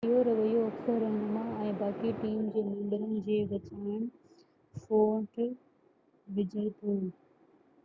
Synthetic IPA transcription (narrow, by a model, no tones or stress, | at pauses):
joɾɐʋɐjoɐksəɾɾɐ̃ɳmãɛ̃ːbaːkiʈiːmd͡ʑeːmẽːɳɖəɾənɪ̆d͡ʑeːʋɐt͡ɕaːɪɽ̃ | foːʈ | ʋɪd͡ʑʱət̪oː